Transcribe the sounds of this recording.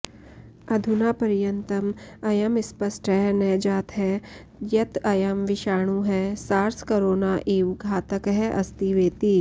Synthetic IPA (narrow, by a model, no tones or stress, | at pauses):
ɐd̪ʱʊnaːpɐɾjənt̪əmɐjɐmɪspəsʈɦɛnɛːd͡ʒaːt̪ɦɛː | jɐt̪ɐjɐmʋɪʃaːɽ̃ũɦɛsaːɾskoɾoːnaːʔeːʋɡʱaːt̪əkɦɛʔɐst̪iʋeːt̪iː